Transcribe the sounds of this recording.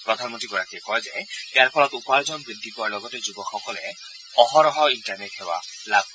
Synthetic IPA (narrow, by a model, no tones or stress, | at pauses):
pɾɔd̪ʱanmɔ̃nt̪ɾiɡɔɾakiekɔɦed͡ʒaet̪eaɾpʰɔlɔt̪upaɾd͡ʒɔnbid̪ʱːikɔaɾlɔɡɔt̪ed͡ʒubɔkʰɔkɔle | ɔɦɔɾɔɦɔiɳʈaɾneʈheba̰labʱ